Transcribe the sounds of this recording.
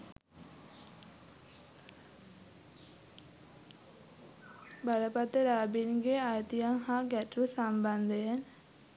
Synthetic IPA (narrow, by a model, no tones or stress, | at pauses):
baɾəpat̪əɾaːbinɡeajt̪ijaŋɦaːɡæʈɾusamband̪əjen